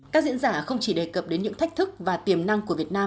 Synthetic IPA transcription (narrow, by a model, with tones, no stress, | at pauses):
kaː˦˥k̚zḭ˧˥nzaː˧˩xə˧wŋ͡mt͡ɕi˧˩ɗe˨˩kə˨˩p̚ɗe˨˦nɲɨ̰˧˥ŋt̪ʰk̚t̪ɨ˦˥k̚vaː˨˩t̪i˨˩əmna˧ŋkəvi˨˩ət̚naː˧m